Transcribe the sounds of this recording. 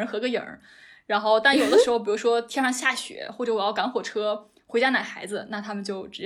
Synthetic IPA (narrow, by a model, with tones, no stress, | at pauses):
ə˧˥nxɤ˧˥ɡə˧jə̰˨˩˥ | ɻa˧˥nxo˥˧ʊt̪a˥˩njo˨˩ʊd̪əʂɻ̩˧˥xo˧pi˨˩u˧˥ʂwɔ˥t̪ʰjɛ˥nʂɑ˥˧ŋɕja˥˩ɕɥɛ̰˧˥xwɔ˥˩ʈ͡ʂɤ˧˩wjɑ˥˩ka˧˥nxwɔ˨˩ʈ͡ʂʰɤ˥ | xwe˥ɪt͡ɕja˥˩na˨˩xa˧˥ɪd͡zɹ̩˧na˥˩t̪ʰa˥mə˨nt͡ɕjo˥˩ʊʈ͡ʂɻ̩˧˥